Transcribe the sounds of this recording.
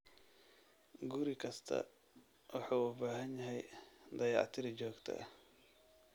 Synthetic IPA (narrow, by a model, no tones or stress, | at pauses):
ɡʊɾɪkʰɐst̪ʰɐ̰ | wɑħuːʊbaːɦɐnjɐɦɛjd̪ɐjɑ̰ʕt̪ʰɪɾɪd͡ʒɔːɡt̪ʰɐ̰ʔ